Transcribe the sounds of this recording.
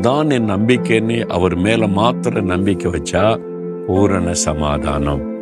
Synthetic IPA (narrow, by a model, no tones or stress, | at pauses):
d̪aːnenːɐmbɪkːɐnːiʔɐ̰ʋɐɾmeːlɐmaːt̪ɾɐnɐmbɪkːɐʋɐt͡ʃːaː | puːɾɐɳɐsɐma̰ːd̪ʱa̰ːnɐm